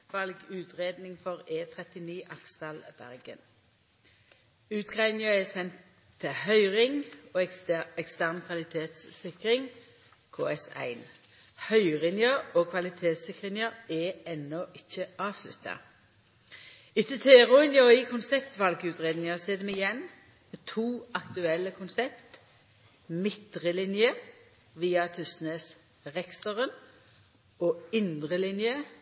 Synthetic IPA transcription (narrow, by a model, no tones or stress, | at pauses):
ʋɑlɡʉːt̪ʰʁeːd̪nɪŋfɔʁeːt̪ʰʁɛt̪ɪniːʔɑkst̪ɑːlb̥æ̰ʁɡə̰n | ʉːt̪ɡʁæɪd̪nɪŋəʁɛsɛnt̪ʰː | ɪhœʏʁɪŋoːɛkst̪æʁnkʰʋɑlɪt̪ʰeːt̪ssɪkʁɪŋ | kʰoːɛsæ̰ɪn | hœʏʁɪnjəʁoːkʰʋɑlɪt̪ʰeːt̪sɪkʁɪŋəʁɛɛnːɔʔɪçːəʔɑːʋslʉ̰t̪ɑ̰ | ɪtːət̪ʰɛʁʊɪnjɔiːkʰʊnsɛpt̪ʋɑlɡʉːt̪ʁeːd̪nɪŋəseːd̪əmɪjɛn | meːt̪ʰuːɑkt̪ʉɛlːəkʰʊnsɛpt̪ | mɪt̪ʁəlɪnjə | ʋiːɑt̪ʰʉsneːs | ʁɛkst̪ɔʁən | oːɪnd̪ʁəlɪnjə